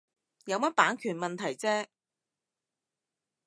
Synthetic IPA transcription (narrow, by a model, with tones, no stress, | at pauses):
jɐ˨˧wmɐ˥t̚paː˨˥nkʰyː˨˩nmɐ˨nt̪ʰɐ˨˩jt͡sɛː˥